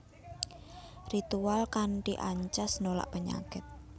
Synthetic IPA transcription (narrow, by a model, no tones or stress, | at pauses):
rit̪ualkanʈiʔaɲt͡ʃasnola̰ʔpəɲa̰kɪt̪̚